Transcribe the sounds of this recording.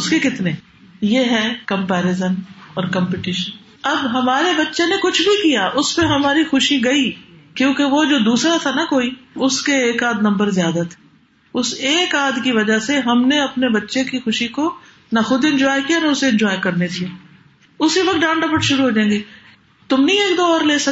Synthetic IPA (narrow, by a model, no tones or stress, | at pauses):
ʊskekɪt̪ne | jeɦɛkɐ̃mpɛːɾɪzənɔːɾkɐ̃mpɪʈɪʃən | ɐbɦɐmaːɾebɐtːʃenekʊt͡ʃʰbʱikijaʔʊspeɦɐmaːɾixʊʃiɡɐikjõːkeʋod͡ʒoːd̪uːsɾat̪ʰanɐkoːiʊskeeːkaːd̪nɐ̃mbəɾzjaːd̪at̪ʰe̥ː | ʊseːkaːd̪kiʋɐd͡ʒaseɦɐmneɐpnebɐtːʃekixʊʃiko | nɐxʊd̪ɪ̃ɲd͡ʒɔːjkijanɐʊseɪ̃nd͡ʒɔːekɐɾned̪iaː | ʊsiʋɐk̚t̪̚ɖãːɳɖɐpəʈʃʊɾuɦoːd͡ʒãẽːɡe | t̪ʊmnɐĩeːkd̪oːɔːɾleːsɐ